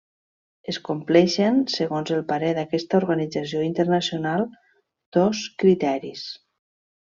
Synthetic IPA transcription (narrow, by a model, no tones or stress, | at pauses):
əskumplɛʃənsəɣonzəlˠpaɾɛðəkɛst̪əuɾɣənid͡zəsioint̪əɾnəsionalˠ | d̪̥ɔskɾit̪ɛɾis